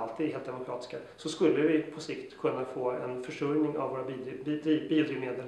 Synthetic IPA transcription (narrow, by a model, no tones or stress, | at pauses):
alt̪ʰiːd̪heːlt̪d̪ɛmʊkʰɾɑːt̪ɪ̥skasɔskɵlːəvɪpʰɔsɪkt̪kʰɵnːafoːɛ̰nfœʂɵɾnɪŋa̰voːɾab̪ibiːʊd̪ɾiːmeːd̪ɛl